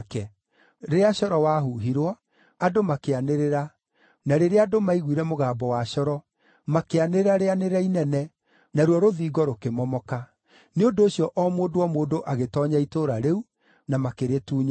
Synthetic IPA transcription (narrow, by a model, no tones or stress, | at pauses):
kɛ | ɾeeaɕɔɾɔwaɦuɦiɾwɔ | adomakeaneɾeɾa | naɾeɾeadomaiɣwiɾɛmoɣaːbɔwaɕɔɾɔ | makeaneɾeɾaɾeaneɾɛinɛnɛ | naɾwɔɾoðiːɡɔɾokemɔmɔka | neondoːɕijɔʔɔmoːdoɔmoːdoʔaɣetɔːɲaitoɾaɾeu | namakeɾetuːɲa